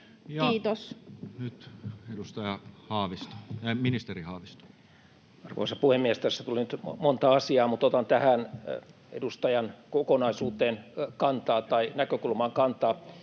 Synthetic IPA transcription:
jɑːt̪osnyt̪edust̪ɑjɑhɑːʋist̪o̥minist̪erihɑːʋist̪o̥ | ɑrʋo̰isɑpuhemːiest̪æsːæt̪ulinyt̪mont̪ɑɑsiɑːmut̪ot̪ɑnt̪æhæn | ḛdust̪ɑjɑnkokonɑisuːt̪eːnkɑnt̪ɑːt̪ɑinækøkulmɑŋkɑnt̪ɑː

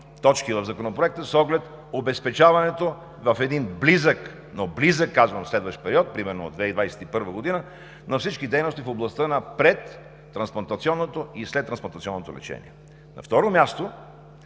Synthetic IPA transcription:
t̪ɔt͡ʃkivɐvzɐkonopɾoɛk̚t̪əsɔɡlɛt̪ | obɛspɛt͡ʃavɐnɛt̪o | vəfɛd̪inblizək | noblizəkːazvəmslɛd̪vəʃt̪pɛɾiɔt̪̚pɾimɛɾnoo̰d̪vɛid̪vajsɛ̥t̪ipɤɾvəɡod̪inə | nɐfsit͡ʃkid̪ɛjnost̪ifoblˠɐst̪ənɐpɾɛt̪ː | ɾɐnsplˠɐnt̪ɐt̪siɔnːot̪oislɛt̪ːɾɐnsplˠɐnt̪ət̪sʲiɔnːot̪o̰lɛ̰t͡ʃɛ̰nḭɛ | nɐ̰ft̪ɔɾomʲast̪o

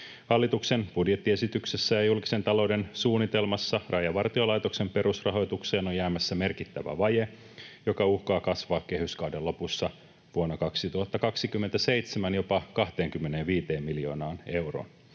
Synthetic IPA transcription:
hɑlːit̪ukse̞nb̥udje̞t̪ːie̞sit̪ykse̞sːæjɑjulki̥se̞nt̪ɑlo̞wde̞nsuːnːit̪e̞lmɑsːɑrʔɑjɑʋɑrt̪io̞lɑjt̪o̞kse̞mpe̞ɾusrɑɦo̞jt̪ukse̞ːnojæːmæsːæme̞rkit̪ːæʋæ̰ʋɑje | jo̞kɑuhkɑːkɑsʋɑːkkːe̞ɦhyskɑwdelːo̞pusːɑ | ʋuonːɑkɑksit̪uhɑt̪ːɑkɑksikymːent̪æse̞ijt̪semænjo̞pɑkɑht̪e̞ːŋkymːeneːʋʋiːt̪eːmːiljo̞ːnɑːne̞wro̰ːn

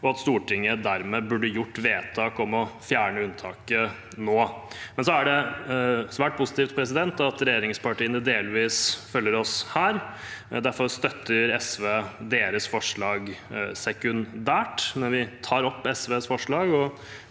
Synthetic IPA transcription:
ɔɑt̪st̪uːʈɪŋːəd̪æɾmɛːbʉɖːəjʊʈːʋeːt̪ʰɑːkɔmɔfjæːɳəʉnt̪ʰɑːkə | noːmɛnsɔæɖɛ | sʋæːʈ̚pʰʊsɪ̥t̪iːft̪̚pʰɾɛs̬ɪd̪ɛnt̪ɑt̪ɾɛjeːɾɪŋspɑʈiːənəd̪eːlʋiːsfœlːəɾɔshæːɾ | d̪æɾfɔɾst̪œt̪ʰːəɾɛsʋeːd̪eːɾəsfɔʂɭɑːɡsɛkʉnd̪æːʈmɛnʋɪt̪ʰɑːɾɔpːɛsʋeːsfɔʂɭɑːɡɔ

